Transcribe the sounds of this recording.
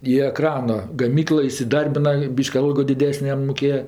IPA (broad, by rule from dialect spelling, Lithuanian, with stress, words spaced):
iː ɛˈkrɑːnɐ ɡɐˈmʲiːklˠɜ ɪsʲɪˈdɐrʲbʲɪnɐ ˈbʲiːʃʲkʲɪ ˈɐlˠɡoː dʲɪˈdʲæːsʲnʲeː ˈjɛm mʊˈkʲeːjɛ